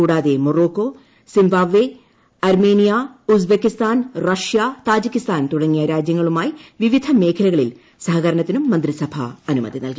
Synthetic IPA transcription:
uːɽaːðemoro̞ːkːo̞ | simbaːʋːe | ɐrmeːnijausbekːist̪aːnrɐʂjat̪aːd͡ʑikʲːist̪aːnt̪uɽɐŋːijɐɾaːd͡ʑjɐŋːɐɭumaːjiʋiʋid̪ʱɐme̞ːkʰɐlɐɣɐɭil | sɐhɐɣɐɾɐɳɐt̪ːinumːɐnd̪risɐbʱɐ̰ɐnumɐ̰d̪ʱinɐ̰lki

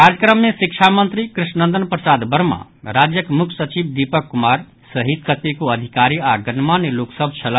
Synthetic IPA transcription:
kaɾəkɾəmːesikt͡ʃʰamənt̪ɾikɾisnə̃nd̪ənpɾəsad̪bəɾmã̰ | ɾad͡ʒjəkmukʰsət͡ʃib̚d̪ipəkːumaɾ | səɦid̪̚kət̪ekoəd̪ʱikaɾiaɡənmanloksəb̚ʱt͡ʃʰələ

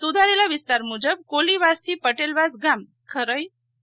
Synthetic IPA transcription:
sud̪ʱaɾelaʋist̪aɾmud͡ʑəb̚koliʋast̪ʰipəʈelʋasɡam | kʰəɾəj

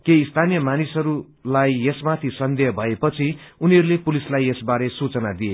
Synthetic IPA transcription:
kest̪ʰanijʌmanisɦʌɾu | lajesmat̪ʰisʌnd̪ʌjʌbʱʌepʌt͡sʰiuniɦʌɾulepulislajesbaɾesut͡sʌnad̪ie

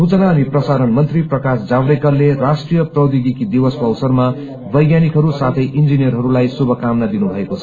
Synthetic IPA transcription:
sut͡sʌnaːniprʌsaɾʌnmʌnt̪riprʌkasd͡zabɾekʌrlerasʈrijʌprʌwd̪iɡ̪ikid̪iwʌskoʌwsʌrma | bʌjɡjanikɦʌɾusat̪ʰʌjʔind͡zinijʌrɦʌɾulajsubʱʌkamnad̪inubʱʌekot͡sʰʌ̥

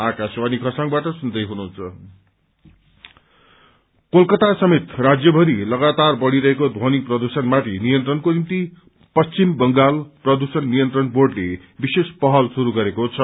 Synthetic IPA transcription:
akaswanikʰʌsãŋbaʈʌsund̪ʌjɦunuɦunt͡sʰʌ | kolkʌt̪asʌmet̪rad͡zjʌbʱʌɾilʌɡat̪arbʌɽiɾʌɦekod̪ʱoniprʌd̪usʌnmat̪ʰinijʌnt̪rʌnkonimt̪i | pʌst͡simbʌŋɡalprʌd̪usʌnːijʌnt̪rʌnborɖle | bisespʌɦʌlsuɾuɡʌɾekot͡sʰʌ

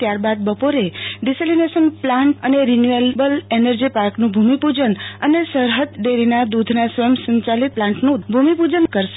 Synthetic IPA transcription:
t̪jaɾbad̪̚bəpoɾeɖiselinesənplãɳʈəneɾinjuelbəlenəɾd͡ʒipaɾknũbʱumipud͡ʒənənesəɾɦəd̪ɖeɾinad̪ud̪ʱnasəmsə̃ɲt͡ʃalit̪̚plãɳʈnũbʱumipud͡ʒənkəɾʃ

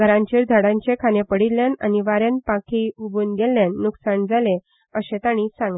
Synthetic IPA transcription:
ɡʱəɾãɲt͡ɕeːɾd̪ʱaɽãɲt͡ɕekʰanepəɽilːjana̰niʋaɾjanpãkʰiubuːnɡelːjanːuksaɳd͡zale | əɕet̪añisãŋɡl

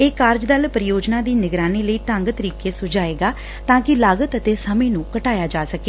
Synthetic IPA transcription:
eːkaːɾd͡ʒd̪əlpɾɪjoːd͡ʒnaːd̪iːnɪɡɾaːniːləiːʈ̪əŋɡt̪əɾiːkeːsʊd͡ʒaːeːɡaː | t̪ãːkɪlaːɡət̪ət̪eːsəmẽːnũːkəʈaːjaːd͡ʒaːsəkeː

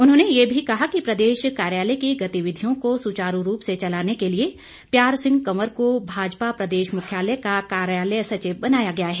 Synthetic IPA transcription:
ʊnɦõːnejebʱikɐɦakipɾɐd̪eːʃkaːɾjaːləkiɡɐt̪iʋɪd̪ʱijõkosut͡ʃaːɾuɾuːpset͡ʃɐlaːnekelie | pjaːɾsɪ̃ŋɡ̚kɐməɾkobʱaːd͡ʒpapɾɐd̪eːʃmʊkʰjaːləkakaːɾjaːləjsɐt͡ʃebɐnaːjaɡɐjaɦɛː

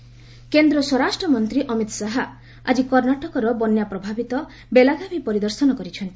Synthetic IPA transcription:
kend̪ɾɔswɔɾasʈɾɔmɔnt̪ɾiʔɔmit̪saɦa | a̰d͡ʒikɔɾnaʈɔkɔɾɔbɔnjapɾɔbʱabit̪ɔ | belaɡʱabʱipɔɾid̪ɔɾsɔnɔkɔɾit͡ʃʰɔnt̪i̥

